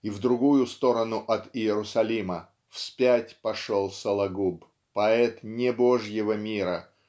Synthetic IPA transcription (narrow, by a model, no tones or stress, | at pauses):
ivd̪ɾʊɡujʊst̪o̞ɾənʊʔɐt̪ɪɪɾʊsɐlʲimə | fspʲætʲpɐʂolˠsəlˠɐɡup | pɐɛt̪nʲɪboʐjɪvəmʲiɾə